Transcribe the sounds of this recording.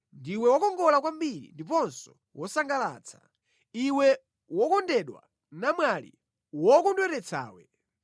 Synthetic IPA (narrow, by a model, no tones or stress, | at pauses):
ndiwɛwɔkɔŋɡɔlak̬wambiɾḭndip̬ɔnsɔ | wɔsaŋɡalaːt͡sʰḁ | iwɛ | wɔkɔndɛɗwa̰ | namwalḭ | wɔkɔndwɛɾɛt͡sʰa̰ːwɛ